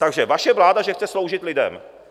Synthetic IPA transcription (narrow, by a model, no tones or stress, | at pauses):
t̪aɡʒɛvaʃɛvlaːdaʒɛxt͡sɛslowʒɪt̪lɪdɛ̰m